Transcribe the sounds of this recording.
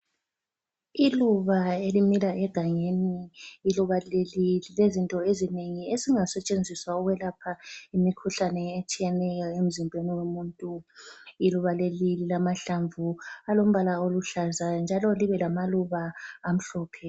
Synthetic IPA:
iluβaelimilaʔɛɡ̥ʱaŋeniiluβalelililezintʼɔezineŋieziŋasɛt͡ʃʼend͡zʱiswauɣwɛlapʰaimikʰuɬanɛet͡ʃʼijɛnɛjɔem̩zimbʱweniwemuːntʼuiluβalelililamaɬaɱvualom̩βalaoluɬazand͡ʒʱalɔliβɛlamaluβaːm̩ɬɔːpʰɛ

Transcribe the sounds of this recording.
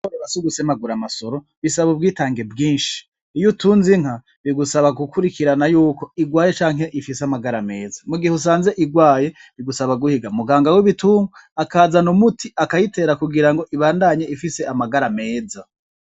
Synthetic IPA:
koɾeβasuɡusemaɡuɾamaso̞ɾo̞ | βisaβobɡiːtaːŋɡebɡiːnʃi̥ | ijutuːnziŋ̥ha | βiɡusaβaɡukʰuɾikiɾanajuːko̞iɡwaːje̞t͡ʃaːŋɦe̞ʔifiseamaɡaɾame̞̰ːzamuɡihus̬aːnze̞ʔiɡwaːje̞βiɡusaβaɡuhiɡamuɡaːŋɡawiβituːŋuakaːzanumutʰiʔakajite̞ːɾakuɡiɾaŋɡo̞ʔiβaːndaɲeʔifise̞amaɡaɾame̞ːza

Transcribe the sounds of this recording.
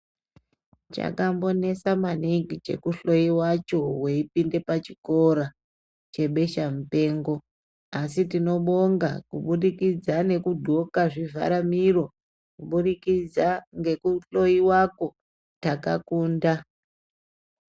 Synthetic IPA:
t͡ʃa̰kambo̞ne̞samaniŋɡit͡ʃe̞̰kuɬo̞jiwat͡ʃo̞we̞ipinde̞pat͡ʃiko̞ɾa | t͡ʃe̞ɓe̞ʃamupe̞ːŋɡo̞ | asitino̞ɓo̞ŋɡakuɓuɗikid͡zane̞kudʱo̞kaʐivʱa̰ɾamiro̞ | kuɓuɗikid͡zaŋɡe̞kuɬo̞jiwako̞ | taka̰kuːnda

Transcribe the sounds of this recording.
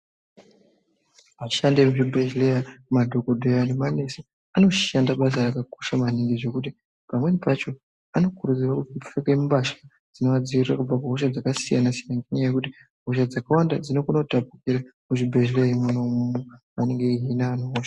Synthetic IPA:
aʃande̞muʐibʱe̞ʒlejamadʱo̞kodʱojanemane̞se | ano̞ʃandaɓas̬arakakoʃamaniŋɡiʐe̞kuti | pamwe̞nepat͡ʃo̞ | ano̞kuɾud͡zirakutiipfekemumbaʃḁ | d͡zino̞ad͡ziʋitrakub͡vakaɦoʃad͡zakasijanasiaŋɡiɲajekuti | ɦoʃad͡zakawanda̰d͡zino̞kuno̞tap̚ukiɾamuʐibʱe̞ʒleimunomumu | aneŋɡeiɦinaːnoɦoːʃḁ

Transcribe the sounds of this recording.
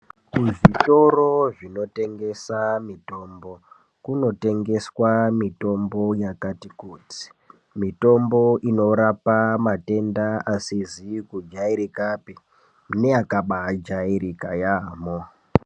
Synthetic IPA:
kuʐito̞ro̞ʐino̞te̞ŋɡe̞samito̞ːmbo̞ | kuno̞te̞ŋɡe̞swamito̞mbo̞jakatikuːti̥ | mito̞mbo̞ʔino̞ɾapamate̞ndaasizikud͡ʒaiɾikapi | nejakaɓad͡ʒaiɾikajaːmo

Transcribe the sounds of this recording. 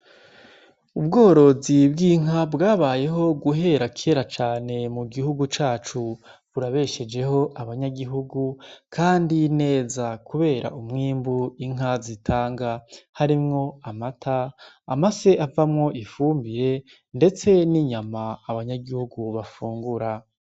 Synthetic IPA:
ubɡo̞ːɾo̞zibɡiːŋabɡaːβaːje̞ɦo̞ɡuɦe̞ɾakʰieɾat͡ʃaːne̞muɡihuɡut͡ʃaːt͡ʃuβuɾaβe̞ʃe̞d͡ʒe̞ho̞ʔaβaɲaɡiɦuɡukʰaːndine̞ːzakuβe̞ːɾa̰ʔumŋiːmbuiŋ̥azitʰaːŋɡahaɾimŋo̞amatʰaː | mase̞avamŋo̞ʔifuːmbiɾe̞ | nde̞t͡se̞niɲamaːβaɲaɡihuɡuβafuːŋɡuɾa

